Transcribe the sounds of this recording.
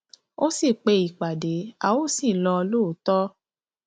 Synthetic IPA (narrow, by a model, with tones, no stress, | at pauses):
o˦si˦˨k͡pe˧i˨k͡pa˨de˨˦a̰˨wo˦si˦˨lɔ˧ɔ˧lo˦˨˦tɔ˦